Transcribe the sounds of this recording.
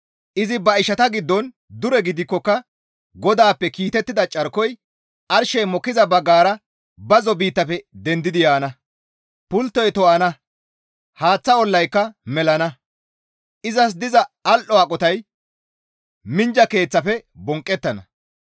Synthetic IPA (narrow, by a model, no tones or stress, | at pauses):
ʔɪzɪbɐɪʃɐt̪ɐɡɪd̪ːɔn | d̪ʊɾɛɡɪd̪ɪkːɔkːɐ | ɡɔd̪aːpːɛkiːt̪ɛt̪ːɪd̪ɐt͡ʃʼɐɾkɔj | ʔɐɾʃɛjmɔkːɪzɐbɐɡaːɾɐ | bɐzɔbiːt̪ːɐpɛd̪ɛnd̪ɪd̪ɪjaːnɐ | pʊlt̪ːɔjt̪ɔʔɐnɐ | haːt͡sːɐɔlːɐjkːɐmɛlɐnɐ | ʔɪzɐs̬d̪ɪzɐɐlʔɔɐkʼɔt̪ɐj | mɪnd͡ʒɐke̞ːt͡sːɐfɛbɔŋkʼːɛt̪ːɐnɐ̰